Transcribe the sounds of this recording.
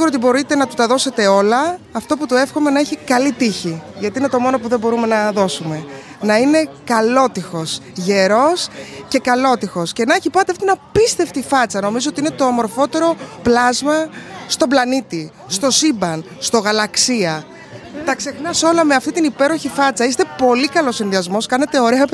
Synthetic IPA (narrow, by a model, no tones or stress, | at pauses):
siɣuɾot̪ibo̞ɾit̪e̞nɐt̪u̥t̪ɐðo̞se̞t̪e̞o̞lɐːft̪oput̪ue̞fxome̞nɐeçikɐlit̪içiʝɐt̪iine̞t̪o̞mo̞no̞puðe̞bo̞ɾume̞nɐðo̞sume̞ | nɐine̞kɐlo̞t̪ixo̞sʝe̞ɾo̞sce̞kɐlo̞t̪ixosce̞nɐeçipɐt̪eɐftoiinɐpist̪e̞ft̪ifɐt͡sɐno̞mizoot̪iine̞t̪o̞ːmo̞ɾfo̞t̪e̞ɾo̞plɐzmɐst̪o̞blɐnit̪i | st̪o̞sibɐn | st̪o̞ɣɐlɐksiɐ | t̪ɐkse̞xnɐso̞lɐme̞ɐft̪it̪inipe̞ɾo̞çifɐt͡sɐist̪e̞po̞likɐlo̞sːinðiɐzmo̞skɐne̞t̪e̞o̞ɾe̞ɐ